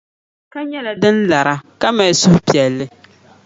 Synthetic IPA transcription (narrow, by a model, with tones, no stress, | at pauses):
ka˦ɲɛ˦la˨dɨ˦nla˨ɾa˦ka˦ma˨ɪ˨sʊ˦hpi˨ɛ˨lːɨ˦